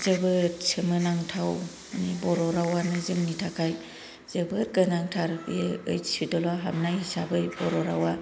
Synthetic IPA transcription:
zɯbɯtsɯmɯnaŋtʰaw | nibɔɾɔɾawanɯzɯŋnitʰakʰaj | z̥ɯbɯɾkɯnaŋtʰaɾjeɯjsidɔlaɦap̚najhisabɯjbɔɾɔɾawa

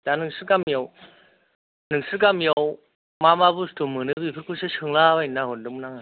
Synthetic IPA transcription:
tanɯŋsɯkamijɔw | nɯŋsɯkamjɔw | mamabustomɯnɯbɯpʰɯɾkʰusɯsʰɯŋlawajnːaɦɔdɯmnaŋa

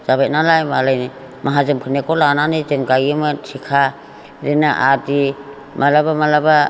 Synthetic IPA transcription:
z̥aβat̚nalajmalajni | maɦazɯmpʰɯnekɔlananizenkajimasʰikʰa | ɾinaʔadi | mʔalabamalaba

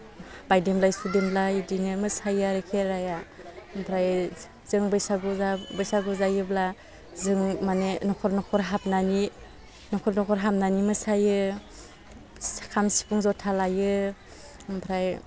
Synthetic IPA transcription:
bajdemlajsudemlajdinɯmɯsajaɾekʰeɾajampʰɾaj | z̥ɯŋbɯjsaɡuzabɯjsaɡɯzajɯbla | zɯŋmanenɔkʰɔɾnɔkʰɔɾɦap̚nani | nɔkʰɔɾnɔkʰɔɾɦap̚nanimɯsajɯ | kʰamsi̥pʰuŋzɔtʰalajɯ | mpʰɾaj

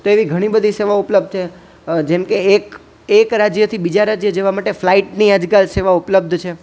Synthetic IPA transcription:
t̪oeʋiɡʱəɽ̃ibəd̪ʱiseʋaupləb̚d̪̚ʱt͡ʃʰe | d͡ʒemkek | ekɾad͡ʒjət̪ʰibid͡ʒaɾad͡ʒjəd͡ʒeʋamaʈeflaiʈniad͡ʒkalseʋaupləb̚d̪ʱt͡ʃʰe

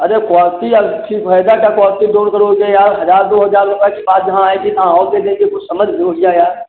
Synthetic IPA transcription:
ɐɾekaːst̪iəʈʰipʰəjd̪akjakwaːst̪id̪oːɾkəɾoɡejaːɾɦɐd͡ʒaːɾd̪oːɦəd͡ʒaːɾɾʊpekibaːt̪̚d͡ʒɐɦãaːẽkit̪ɐɦãɔːked̪ẽːɡekʊt͡ʃʰsəməd͡ʒʱɦɪɾoːɦɪjajaːɾ

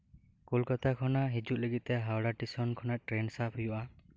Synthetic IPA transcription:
kolkɔt̪ʰakʰɔnaɦid͡ʒut̪̚leɡit̪eɦawɽaʈisɔnkʰɔnaʈɾensapʰɦujuʔa

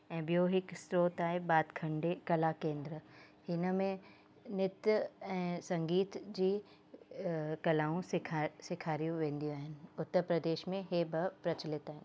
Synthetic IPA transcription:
ɛ̃ːbijoɦɪksɾoːt̪aːɦebaːd̪kʰɐ̃ɳɖekɐlakẽːnd̪ɾə | hɪnəmẽ | nɪt̪jɛ̃ːsɐ̃ŋɡiːt̪d͡ʑiː | kɐlaːũsɪkʰasɪkʰaːɾijũʋẽːnd̪ijũaːɦɪnɪ̆ʊt̪ːəɾpɾɐd̪eːʃmẽɦebəpɾɐt͡ɕɪlɪt̪aːɦɪnɪ

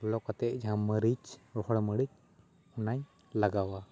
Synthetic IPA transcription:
lɔkat̪ɛʔ̚ˀd͡ʒaɦãməɾit͡ʃɾɔhɔɽməɽit͡ʃ | ɔnaɲ | laɡawa

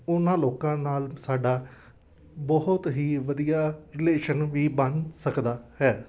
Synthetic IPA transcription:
ʊnãːloːkãːnaːlsaːɖaː | bɔɦʊt̪ɦiːʋəd̪ijaːɾɪleːʃənʋiːbənsəkd̪aːhɛː

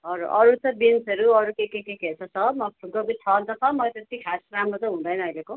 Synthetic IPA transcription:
ʌɾuʔʌɾut͡sʌ̃binsʌɾuʌɾukekekeket͡sʰʌt͡sʰʌmʌɡobit̪ʰʌnt͡sʌt͡sʰʌmʌt̪et̪ikʰasɾamrot̪ʌɦũnd̪ʌjnʌʌjleko

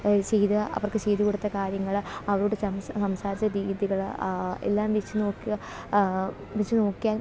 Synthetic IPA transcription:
t͡ɕejd̪ɨʔɐ̰ʋɐrkɨt͡ɕejd̪ukuɽut̪ːɐkaːɾjɐŋːɐɭɐʋɐɾoːɽesɐsɐmsaːɾit͡ɕːɐɾiːðiɣɐɭḛlːaːmʋit͡ɕːɨno̞ːkːuɣɐ | ʋit͡ɕːɨno̞ːkːijaːn

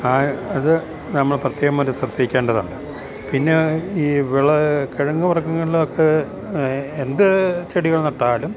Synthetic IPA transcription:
aːɐðɨ | nɐmːɐɭprɐt̪jeːɣɐmːɐɾɐsrɐt̪ːiikʲːeːɳɖɐðɐ̰ɳɖɨ | pinːe̞iːʋiɭɐkeɻɐŋːɨʋɐrɐkːɐŋːɐɭilokːe | end̪ɨt͡ɕeɽiɣɐɭnɐʈːaːlum

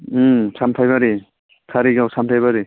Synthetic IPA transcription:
sʰamtʰajβaɾi | kʰaɾiɡawsamtʰajβaɾi

